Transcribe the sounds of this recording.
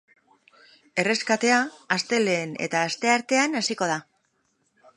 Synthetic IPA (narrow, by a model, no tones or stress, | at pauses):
e̞re̞skat̪e̞aːst̪e̞le̞ːne̞̰t̪aːst̪e̞aɾt̪e̞anasiko̞ða